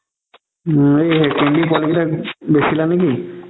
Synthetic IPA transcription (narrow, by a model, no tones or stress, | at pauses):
eekenbipʊalikitabesilaneki